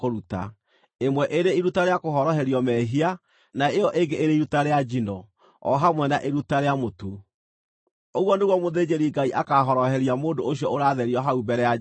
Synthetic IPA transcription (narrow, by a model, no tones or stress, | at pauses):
koɾuta̰ | emwɛʔeɾeiɾutaɾeakoɦɔɾɔɦɛɾiɔmɛɦia | naeɔʔeɡeʔeɾeiɾutaɾead͡ʒinɔ | ɔ̰ɦamwɛnaʔeɾutaɾeamotu | oɣwɔneɣwɔmoðed͡ʑeɾiɡaiʔakaɦɔɾɔɦɛɾiamoːdooɕiɔoɾaːðɛɾiɔɦaubɛɾɛa